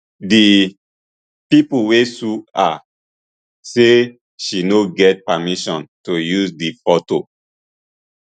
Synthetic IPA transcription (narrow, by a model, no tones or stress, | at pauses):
di | pipuwesua̰ | se | ʃinoɡɛt̚pamiʃɔ̃ntojuzdifɔto